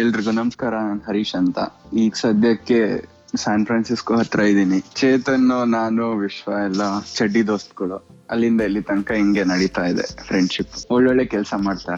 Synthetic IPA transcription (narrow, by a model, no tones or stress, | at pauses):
elɾiɡunɐmskaːɾɐnaːnɦɐɾiːʃɐnt̪ɐ̰iːɡsɐd̪ʱjɐkːe | saːnpʰɾaːnsiskuɦɐt̪ːɾaːjid̪iːnit͡ʃeːt̪ɐnːunaːnuʋiʃʋɐɛlːɐt͡ʃɐɖːid̪oːst̪ɡɐɭuɐlːind̪ɐilːit̪ɐŋkɐiŋɡenɐɽit̪aːid̪ḛpʰɾeɳɖʃipːoɭːɛɭːekɛlsɐmaːɖt̪aːɾe